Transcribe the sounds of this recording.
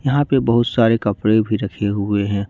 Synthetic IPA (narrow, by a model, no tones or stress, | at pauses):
jɐɦãpebɐɦʊt̪saːɾekɐpɾebʱiɾɐkʰeɦʊeɦɛ̃ː